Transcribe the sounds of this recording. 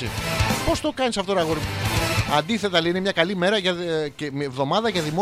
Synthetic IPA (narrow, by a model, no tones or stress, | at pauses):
ipo̞st̪o̞kɐnisɐft̪oɾɐɣoɾiɐnd̪iθe̞t̪ɐleinemɲɐkɐlime̞ɾɐʝɐcemevðo̞mɐðɐʝɐðimo